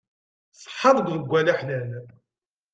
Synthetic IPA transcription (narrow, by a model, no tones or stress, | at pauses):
sˤħːɑɾˤɡðəɡʷːælæħnæn